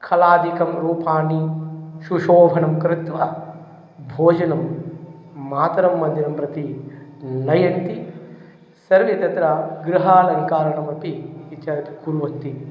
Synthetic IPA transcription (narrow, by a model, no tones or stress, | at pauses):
kʰɐlaːd̪ikɐmɾuːpaːniʃuʃoːbʱɐɳɐmkɾɪt̪ʋɐ | bʱoːd͡ʒɐnɐmː | aːt̪ɐɾɐmːɐnd̪inɐmpɾɐt̪i | nɐjɐnt̪i | sɐɾʋjɐt̪ɐt̪ɾɐɡɾɪɦaːlɐnikaːɾɐɳɐmɐpiʋit͡ʃːaːɾɐt̪i̥kuːɾʋɐnt̪i